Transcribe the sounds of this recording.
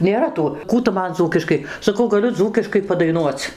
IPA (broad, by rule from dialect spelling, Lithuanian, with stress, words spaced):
nʲeːˈrɐ ˈtuː ˈkuː tʊ ˈmɐn ˈd͡zuːkʲɪʃkɐɪ sɐˈkɐʊ ɡɐˈlʲʊ ˈd͡zuːkʲɪʃkɐɪ pɐdɐɪˈnuɔt͡s